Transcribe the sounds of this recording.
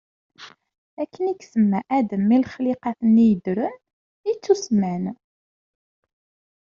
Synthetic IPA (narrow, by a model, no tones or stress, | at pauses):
ækːəniksəmːæʔæd̪əmːilχlɪqɑθənːijəd̪ɾən | it͡sːusmæn